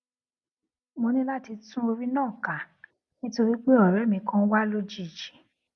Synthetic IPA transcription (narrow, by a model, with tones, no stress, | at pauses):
mo˧nĩ˦la˦ti˧tũ˦o˧ɾi˦nãː˦˨ka˨ | nĩ˦to˧ɾi˦k͡pe˦ɔ˨ɾɛ˨˦mĩ˧kã˦wa˦lo˦d͡ʒi˦˨d͡ʒi̥˨